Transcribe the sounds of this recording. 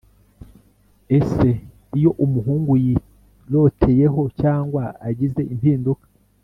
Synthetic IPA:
ese̞ | ijo̞ʔumuɦuːŋɡuji | lo̞tʰe̞je̞ɦo̞caːŋɡwaaɟize̞ʔimpiːndukḁ

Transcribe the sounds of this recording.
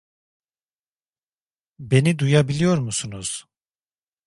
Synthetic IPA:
be̞nid̪ujabilʲijo̞ɾmusunuz̥

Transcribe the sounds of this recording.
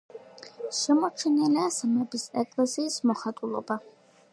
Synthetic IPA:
ʃɛmɔt͡ʃʰɛnɛliasamɛbisɛkʼlɛsiːsmɔχat̪ʼulˠɔ̰ba

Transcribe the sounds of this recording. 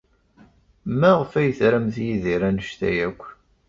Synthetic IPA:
mæʁəfæjθɾæmθjiðiɾænəʃt̪æ̰jækʷː

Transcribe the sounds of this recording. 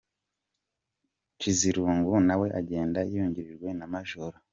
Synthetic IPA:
t͡ʃiziɾuːŋɡunawe̞ʔaɟe̞ːndaijuɲɟiɾiɾɡwe̞namaʒoɾo

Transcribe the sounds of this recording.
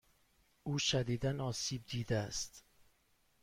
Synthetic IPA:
ʔuːʃæd̪iːd̪ænɒːsiːb̚d̪iːd̪eæst̪

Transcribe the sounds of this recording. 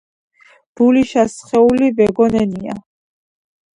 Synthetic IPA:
b̥uliʃasχɛulibɛɡɔnɛnia̰

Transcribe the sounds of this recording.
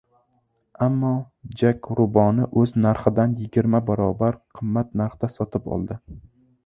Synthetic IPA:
amːɒ | d͡ʒakʲɾʊbɒnɪʔɵznaɾχɪd̪anjɪɡʲɪɾmabaɾɒbaɾqʰɨmːat̪̚naɾχt̪asɒt̪ʰɪpɒ̰lˠd̪ɪ

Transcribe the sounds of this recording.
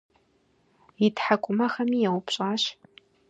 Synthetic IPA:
itʰħakʷʼʊmɐχɐmijɛwʊpʰɕʼaːɕ

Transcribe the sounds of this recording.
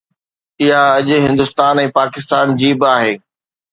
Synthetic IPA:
ɪɦaɐʄʊɦɪ̃nd̪ʊst̪aːnɛ̃ːpaːkɪst̪aːnd͡ʑiːbɪaːɦeː

